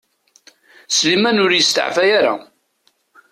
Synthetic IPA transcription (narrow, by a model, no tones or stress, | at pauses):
slimænʊɾjəst̪ə̰ʕfæjaɾa̰